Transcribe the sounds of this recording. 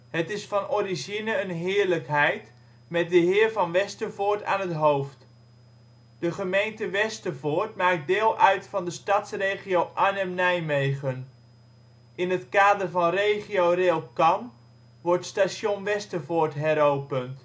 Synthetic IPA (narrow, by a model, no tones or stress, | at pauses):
ɦətɪsfɑnʔɔrizinəənɦɪːɹləkɦɛjt | mɛt̚dəɦɪːɹvɑnʋɛstəvʊːɹta̰ːnɦətɦowft | d̥əχəmejntəʋɛstəvʊːɹtmaːk̚dɪːlˠʔœɥtfɑndəstɑtsrejχiowʔanɛmnɛjmejχən | ʔɪnɦətkaːdərvɑnrejχiorelˠkɑn | ʋɔɹtstaʃjonʋɛstəvoːɹtɦɛɾowpənt